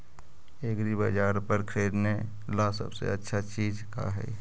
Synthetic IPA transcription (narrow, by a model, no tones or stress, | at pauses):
eɡɾibəd͡ʒaːɾpəɾkʰɾeːɾne | lasə̰bsḛətːʃʰat͡ʃiːd͡ʒka̰ɦɛ̰